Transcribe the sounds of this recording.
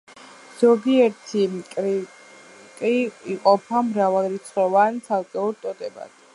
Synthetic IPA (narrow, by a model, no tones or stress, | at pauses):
z̥ɔɡiɛɾt̪ʰikʼɾi | kʼiiqʼɔpʰamɾavalˠɾit̪sʰχɔvansʰalˠkʼɛuɾt̪ʼɔd̪ɛba̰d̪̥ʰ